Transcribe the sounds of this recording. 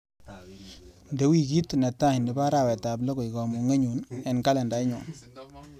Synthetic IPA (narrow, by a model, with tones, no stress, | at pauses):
nde˨˦wi˦ki˦tnɛ˨tːa˦hi˨ndɛ˨ba˦ɾa˨wɛ˨ta˨blɔ˦ko˨ɪ˨kɔ˨mu˨ŋe˦ɲu˨nɛ˨nka˦lɛ˨nda˨ɪ˦ɲɔ˨n